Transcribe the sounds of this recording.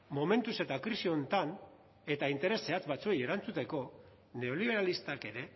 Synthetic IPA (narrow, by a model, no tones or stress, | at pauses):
mo̞me̞nt̪use̞t̪akɾisio̞nt̪an | e̞t̪aint̪e̞ɾe̞se̞at͡sbat͡sue̞je̞ɾant͡sut̪e̞ko̞ | ne̞o̞liβ̞e̞ɾalist̪ake̞ɾe̞